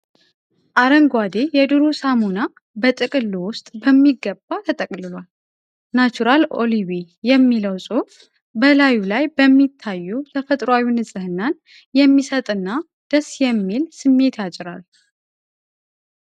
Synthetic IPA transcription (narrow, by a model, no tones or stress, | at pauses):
ʔaɾəŋɡʷwad̪ejɛd̪ɨɾusamuna | bət̪ʼɨkʼɨlːuwʊst̪ʼbəmːiɡəbːat̪ʰət̪ʼəkʼlɨlwal | nat͡ʃuɾalʔo̰liβi | jɛmːiləwsʼu | bəlajulajbəmːit̪ʰːajːut̪ʰəfət̪ʼɾwawinɨsʼɨhɨnːan | jɛmːisət̪ʼɨnːa | d̪̥əsjɛmːilsɨmːe̞t̪ʰjat͡ʃʼɪɾal